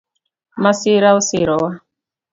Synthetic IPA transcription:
masiɾausiɾɔwa

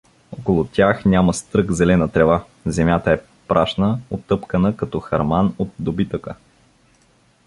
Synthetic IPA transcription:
okolˠʊt̪ʲjaxnʲaməst̪ɾɤɡzɛlɛnət̪ɾɛva | zɛmʲjat̪əɛ | pɾʔaʃnəot̪ːɤpkənəkɐt̪ɔxɐɾmanot̪̚d̪obit̪əkə

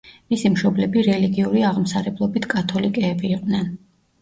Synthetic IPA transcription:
misimʃɔblɛbiɾɛliɡiuɾiaʁmsaɾɛblˠɔbit̪ʰkʼat̪ʰɔlikʼɛːbiːqʼnɛn

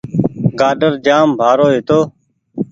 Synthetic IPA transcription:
ɡaːɖəɾd͡ʒaːmbʱaːɾoːɦɪt̪oː

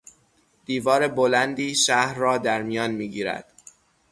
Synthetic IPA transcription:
d̪̥iːvɒːɾe̞bolænd̪iːʃæhɾːɒːd̪æɾmijɒːnmiːɡiːɾæ̰d̪̥

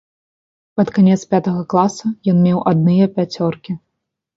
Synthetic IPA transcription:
pɐt̪kanʲɛt̪spʲat̪ɐɣɐklˠasɐjɔnmʲɛwʔad̪̚nɨjɐpʲat͡sʲɔrkʲi

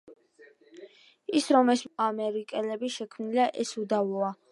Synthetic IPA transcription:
isɾɔmɛsmamɛɾikʼɛlɛbiʃɛkʰmnilaʔɛsud̪avlˠɔa

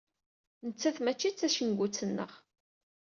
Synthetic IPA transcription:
nət͡sːæθmæt͡ʃːit͡sːæʃənɡʷut͡sːənːə̰ʁ

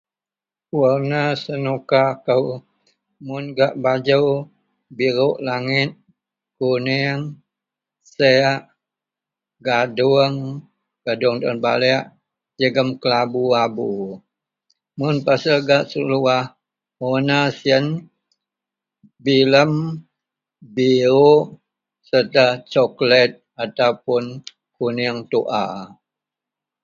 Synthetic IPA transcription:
uənasənukakəw | mʊnɡaʔbad͡ʒəw | biɾʊʔlaŋɪt̪̚ | kunɛəŋ | seaʔ | ɡaduəŋ | ɡ̥adʊəŋd̪ɔnba̰lɛaʔ | d͡ʒəɡəmkəlabuabu | mʊnpasəlɡaʔsəluah | onasiən | biləm | bio | sərt̪ət͡ʃɔklɛt̪̚ | at̪awpʊn | kuniəŋt̪uʔa̰

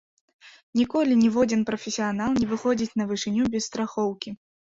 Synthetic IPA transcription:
nʲikɔlʲinʲivɔd͡zʲinpɾɐfʲɛsʲijanalˠnʲɛvɨxɔd͡zʲit͡sʲnɐvɨʂɨnʲubʲɛst̪ɾaxɔwkʲi

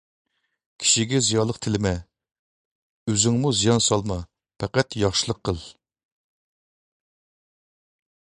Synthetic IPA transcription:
kʲʰi̥ʃiɡʲɛzijɑlˠəqt̪ʰɪlɪmɛ | øzɪŋmuzijɑnsɑlˠmɑ | pʰɛqɛt̪jɑχʃɨlˠəqʰːəlˠ

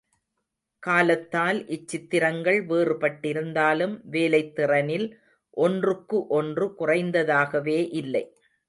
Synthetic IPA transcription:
kaːlɐt̪ːaːlʔɪt͡ʃːɪt̪ːɪɾɐŋɡɐɭʋeːrɯpɐʈːɪɾɯnd̪aːlɯmʋeːlɐɪt̪ːɪrɐnɪl | ʔɔndrɯkːɯʔɔndrɯkʊrɐɪnd̪ɐðaːɣɐʋeːʔɪlːɐɪ

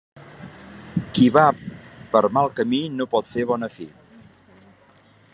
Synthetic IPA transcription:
kiβapəɾmalˠkəminopɔt̪feβ̞ɔnəfi

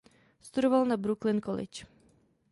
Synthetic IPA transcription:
st̪udɔvalnabɾuklinkɔlɪ̰t͡ʃ

